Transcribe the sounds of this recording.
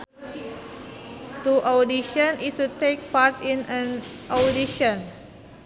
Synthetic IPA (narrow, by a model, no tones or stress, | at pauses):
tuʔawdiʃə̃nistutek̚patĩnə̃nʔawdiʃə̃n